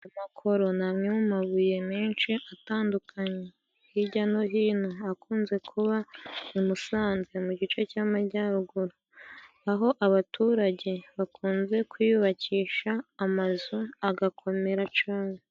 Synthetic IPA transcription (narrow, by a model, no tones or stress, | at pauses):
amakʰo̞ɾo̞namɲemumaβuje̞miːnt͡ʃiʔataːndukʰaɲe | hiɟano̞ɦiːnoakuːnze̞kʰuβaumusaːnzemuɟit͡ʃe̞caːmaɟaɾuɡuɾo | aɦo̞ʔaβatuːɾaɟe̞βakʰuːnze̞kwjiiβaciːʃaːmazuaɡakʰo̞me̞ɾat͡ʃaːɲe